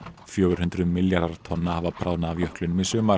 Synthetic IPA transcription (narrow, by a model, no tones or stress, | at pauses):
fjœːɣʏɾ̥hʏnt̪ɾʏðmɪljaɾðaɾt̪ʰɔnːahaːvapʰɾaːwnaːvjœhklʏnmɪsʏmaɾ